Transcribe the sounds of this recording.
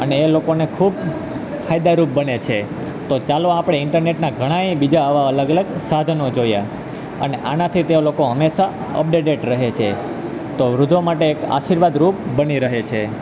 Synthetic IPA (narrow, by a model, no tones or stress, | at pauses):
əneːlokonekʰub | fʰajd̪aɾup̚bənet͡ʃʰe | t̪ot͡ʃaloapɽ̃eɪɳʈəɾneʈnaɡʱəɽ̃aibid͡ʒaɦəʋaələɡələɡsad̪ʱnod͡ʒoja | ə̰neʔanat̪ʰit̪eolokoɦəmeʃa | ə̰p̚ɖeɖeʈɾəɦet͡ʃʰe | t̪oʋɾud̪ʱomaʈeːka̰ʃiɾʋad̪ɾup̚bəniɾəɦet͡ʃʰe